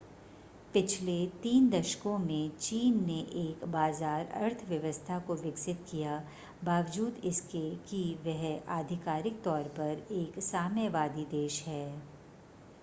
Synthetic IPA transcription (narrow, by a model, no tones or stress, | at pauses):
pɪt͡ʃʰlet̪iːnd̪ɐʃkõmẽt͡ʃiːnːeʔeːkbaːzaːɾɐ̰ɾt̪ʰʋjɐʋəst̪ʰakoʋɪksɪt̪kija | baːʋd͡ʒuːd̪ɪskekiʋɛɦaːd̪ʱɪkaːɾɪk̚t̪ɔːɾpɐɾeːksaːməʋaːd̪id̪eːʃɦɛː